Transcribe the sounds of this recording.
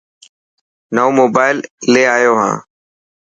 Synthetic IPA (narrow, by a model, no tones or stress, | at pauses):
naoːmoːbaːɪlːeːaːjoːɦã̰ː